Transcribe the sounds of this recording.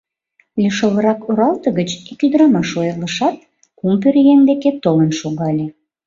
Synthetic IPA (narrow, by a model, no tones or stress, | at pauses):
lʲiʃələɾɑkoɾɑlt̪ə̆ɣət͡ɕikyd̪əɾɑmɑʃojələʃɑt̪̚ | kumpørjeŋd̪eket̪olənʃuɣɑlʲe